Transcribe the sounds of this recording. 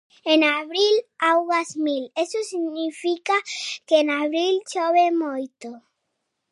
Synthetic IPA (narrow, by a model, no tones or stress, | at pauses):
ẽnaβɾilawɣazmilesosiɣnifikakeːnaβɾilt͡ʃoβemojt̪o